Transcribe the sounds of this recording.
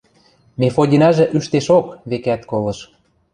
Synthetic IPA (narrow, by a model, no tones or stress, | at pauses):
mefodʲinɑʒĕʔyʃt̪eʃokβekæt̪kolɤ̆ʃ